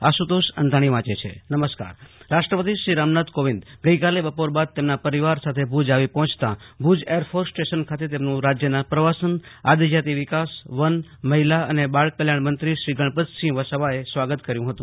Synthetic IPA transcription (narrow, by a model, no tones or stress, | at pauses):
asut̪oʃə̰nd̪ʱaɽ̃iʋãt͡ʃet͡ʃʰḛnəməska̰ɾɾaʃʈɾəpət̪iʃɾiɾamnat̪koʋind̪ɡəikalebəpoɾbad̪̚t̪emnapəɾiʋaɾsat̪ʰebʱud͡ʒaʋipɔɦɔ̃t͡ʃʰt̪ã̰bʱud͡ʒejəɾfʰoɾsʈeʃənkʰat̪et̪emnũɾad͡ʒjənapɾəʋasənad̪id͡ʒat̪iʋɪkasʋənməɦilaə̰nebaɭkəljaɳmənt̪ɾiʃɾiɡəɳ̃pət̪sĩʋəsəʋaesʋaɡət̪kəɾjũɦət̪ũ